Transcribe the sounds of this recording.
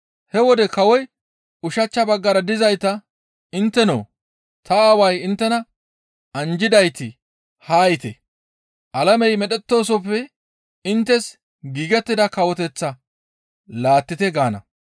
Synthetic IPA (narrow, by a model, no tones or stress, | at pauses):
hɛwɔd̪ɛkɐwɔj | ʊʃɐt͡ʃːɐbɐɡːɐɾɐd̪ɪzɐjt̪ɐ | ɪnt̪ːɛno̰ː | t̪ɐaːwɐjɪnt̪ːɛnɐ | ɐnd͡ʒɪd̪ɐjt̪ɪ | haːjt̪ɛ | ʔɐlɐmɛjmɛɗɛt̪ːo̞ːs̬ɔpːɛ | ɪnt̪ːɛs | ɡiːɡɛt̪ːɪd̪ɐkɐwɔt̪ɛt͡sːɐ | laːt̪ːɪt̪ɛɡaːnɐ̰